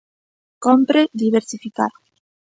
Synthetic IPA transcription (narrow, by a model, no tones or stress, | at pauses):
kompɾeðiβeɾsifikaɾ